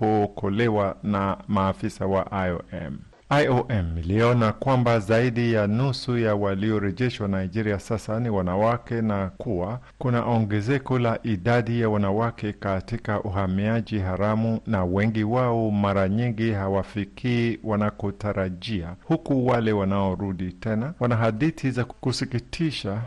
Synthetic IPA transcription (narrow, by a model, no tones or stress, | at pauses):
pɔːkɔlɛwanamaːfisawa̰ʔajoɛ̰m | ajɔʔɛmiliɔnakwambazaiɗijanusujawaliɔɾɛʄɛʃwanaiʄiɾiasasaniwanawakɛnakuwakuna̰ʔɔŋɡɛzɛkɔlaʔiɗaɗijawanawakɛkatikaʔuɦamiaʄiɦaɾamunawɛŋɡiwaɔmaɾaɲiŋɡihawafikʰiːwanakɔtaɾaʄiahukuwalɛwanaɔɾuɗitɛnawanaɦaðiθizakusikitʰiʃa